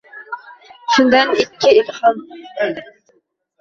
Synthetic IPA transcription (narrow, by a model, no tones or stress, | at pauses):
ʃund̪ɛnɪkʲʰːɪilhɑm